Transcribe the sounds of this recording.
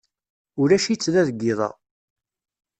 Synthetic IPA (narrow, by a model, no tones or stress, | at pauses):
ʊɾæʃit͡sːðæðəɡːɪðˤɑ̰